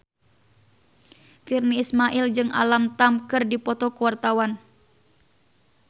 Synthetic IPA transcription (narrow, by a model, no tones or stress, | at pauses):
firniːsmaʔild͡ʒɨŋa̰lamt̪amkɨrdipɔt̪ɔkuwart̪awan